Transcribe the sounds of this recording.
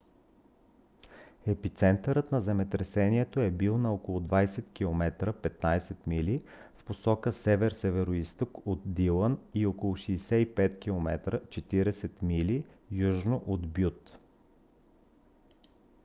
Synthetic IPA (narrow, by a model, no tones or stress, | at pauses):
ɛpit̪sɛnt̪əɾət̪nɐzɛmɛt̪ɾɛsɛniɛt̪oɛbilˠnɐokolˠʊd̪vajsɛt̪kʲilˠomɛt̪ɾəpɛt̪najsɛt̪milifposɔkəsɛvɛɾsɛvɛɾoist̪okot̪̚d̪ilˠəniokolˠʊʃiːsɛipɛt̪kʲilˠomɛt̪ɾət͡ʃɛt̪iɾɛsɛt̪milijuʒnoʔod̪bjut̪